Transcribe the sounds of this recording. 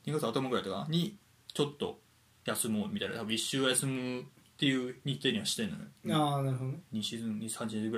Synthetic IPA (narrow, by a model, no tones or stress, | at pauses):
ɲʲiɡat͡sɨat̪omaɡɯɾait̪oka̰ɲ̟i | t͡ɕo̞t̪ːo̞̰ | jasɨmomʲit̪aiɾna̰t̪abiɕːɨːojasɨmɯt̪ːe̞jɯ̟ːɲ̟it̪ːe̞ːɲ̟iβaɕi̥t̪ːenːo̰no̰janaɾɯɦod̪oɲiɕizɨ̃ɲisãɲ̟d͡ʑieɡɯɾa